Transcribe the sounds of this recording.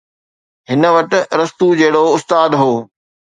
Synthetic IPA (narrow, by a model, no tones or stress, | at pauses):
ɦɪnə̆ʋɐʈ̆ɾɐst̪ud͡ʑeɦɪɽoʊst̪aːd̪ɦoː